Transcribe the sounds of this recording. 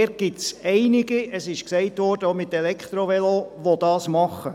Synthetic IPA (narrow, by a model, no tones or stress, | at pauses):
ɛɾ̚ɡ̥ɪtsɛɪnɪɡiəsɪʃksɛɪtʋɔɾd̥əomɪt̪ɛlɛkt̪ɾoʋɛloʋod̥ɑːsmɑχə